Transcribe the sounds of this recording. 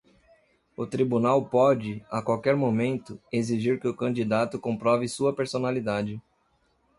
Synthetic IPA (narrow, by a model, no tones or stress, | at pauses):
ʊt̪ɾibunawpɔd͡ʒɪakwawkɛɾmomẽnt̪ʊeziʒiɾkɪʊkɐ̃nd͡ʒid̪at̪ʊkõmpɾɔvɪsuɐpeɾsonalid̪ad͡ʒɪ